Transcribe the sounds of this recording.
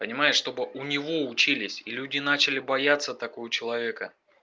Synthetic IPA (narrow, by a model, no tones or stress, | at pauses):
pənʲɪmajɪʂʂt̪o̞bɨʔʊnʲɪvo̞ʊt͡ɕilʲɪsʲilʲudʲɪnat͡ɕɪlʲɪbɐjat̪sːət̪ɐkojət͡ɕɪlˠɐvʲe̞kə